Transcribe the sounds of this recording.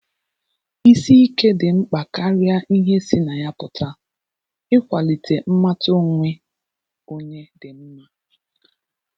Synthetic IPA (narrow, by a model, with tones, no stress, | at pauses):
i˦si˦i˦ke˦dɪ˨ŋ͡m̩˦k͡pa˨ka˦ɾja˦ʔi˦ɦe˦si˦na˨ja˦pʊ˨ta˦ | ɪ˦kʷa˨li˨tʰe˨m̩˦ma˦to˦ŋʷe˦ | o˦ɲe˦dɪ˨m̩˦ma˦